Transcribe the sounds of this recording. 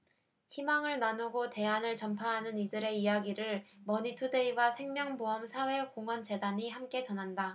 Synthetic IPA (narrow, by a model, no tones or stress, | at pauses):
çimaŋɯɭnanuɡote̞anɯɭt͡ɕʌmpʰaɦanɯnidɯɾe̞ijaɡiɾɯɭmʌɲitʰude̞iwasʰe̞ŋmjʌŋboʌmsʰawe̞koŋʌnd͡ʑe̞daɲihamk͈e̞t͡ɕʌnɦanda